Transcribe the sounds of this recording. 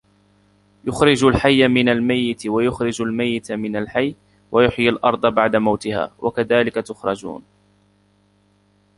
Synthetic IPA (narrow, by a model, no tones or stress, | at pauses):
jʊxɾɪd͡ʒalħajːamɪnalmajːɪt̪wajʊxɾɪd͡ʒalmajːɪt̪mɪnalħajː | wajʊħjalʔɑɾˤd̪ˤɑbaʕd̪amawt̪ɪha̰ːwʔa̰kaðaːlɪkat̪ʊxɾˤɑd͡ʒṵːn